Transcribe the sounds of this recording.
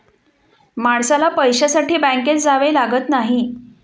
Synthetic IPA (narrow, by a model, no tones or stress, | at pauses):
maɽsalapəjɕasaʈʰiːbæ̃ŋket͡sd͡zaʋelaɡət̪naɦi